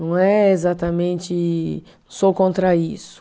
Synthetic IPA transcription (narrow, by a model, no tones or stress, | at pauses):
ɐ̃w̃ɛezat̪ɐmẽnt͡ʃɪ̃ | sokõnt̪ɾɐisʊ̥